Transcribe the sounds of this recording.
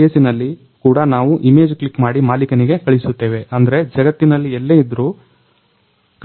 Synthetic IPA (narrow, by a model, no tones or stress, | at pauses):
eːsinɐlːi | kuːɽɐnaːʋuʔime̞ːd͡ʒklikmaːɽimaːlikɐniɡe̞kɐɭisut̪ːe̞ːʋe̞ʔɐnd̪ɐɾe̞d͡ʒɐɡɐt̪ːinɐlːiɛlːeːid̪ɾuː | k